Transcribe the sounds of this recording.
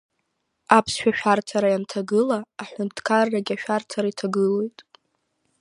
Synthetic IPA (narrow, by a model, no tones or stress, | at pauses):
apʰsʃᶣaʃᶣartʰaɾajantʰaɡɨlaːħʷᶣʊntʰkʰarːaɡʲaʃᶣart͡sʰaɾaitʰaɡɨlo̞jtʼ